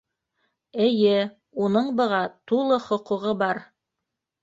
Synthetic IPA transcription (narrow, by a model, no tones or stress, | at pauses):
ɘ̆jɘ | unɤɴbɤ̆ʁɑt̪ulˠɤχŏquʁɤbɑɾ